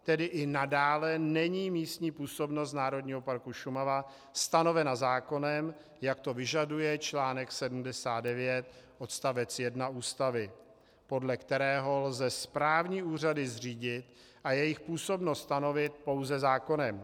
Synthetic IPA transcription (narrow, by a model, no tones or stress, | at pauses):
t̪ɛdɪʔɪnadaːlɛnɛɲiːmiːst̪ɲiːpuːso̞bno̞st̪naːɾo̞dɲiːɦo̞paɾkuʃumava | st̪ano̞vɛnazaːko̞nɛm | jak̚t̪o̞vɪʒadujɛt͡ʃlaːnɛksɛdum̩dɛsaːd̪̚dɛvjɛt̪ | ʔo̞t̪st̪avɛt͡sjɛdnaʔuːst̪avɪ | po̞dlɛkt̪ɛɾɛːɦo̞lzɛspɾaːvɲiːʔuːr̝adɪzr̝iːɟɪt̪ | ʔajɛjɪxpuːso̞bno̞st̪st̪ano̞vɪt̪̚po̞wzɛzaːko̞nɛm